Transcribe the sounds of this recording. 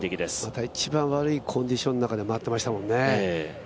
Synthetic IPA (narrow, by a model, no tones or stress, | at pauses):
t̪ekʲid̪esmat̪ait͡ɕibãɰ̃βaɾɯ̟ikʰõ̞ɲd̪iɕo̞nːonakad̪e̞moat̪ːe̞maɕi̥t̪amõ̞nːe̞e